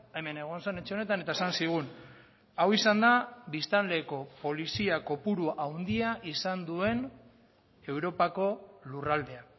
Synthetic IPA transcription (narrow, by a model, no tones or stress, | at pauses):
e̞me̞ne̞ɣ̞o̞nsene̞t͡ʃe̞o̞ne̞t̪ane̞t̪aesansiɣ̞un | awisand̪abist̪anle̞ko̞po̞lisiako̞puɾuawnd̪iaʔisand̪ue̞n | e̞wɾo̞pako̞lurald̪e̞a